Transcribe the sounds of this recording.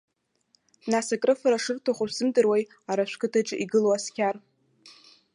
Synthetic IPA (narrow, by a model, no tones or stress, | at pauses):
nasakʼrɨfaɾaʂɨrtʰoχʷsɨmdʼɨrwaj | aɾaʃʷkʰʼɨtʰaʈ͡ʂʼɪʔiɡɨloaskʲʰar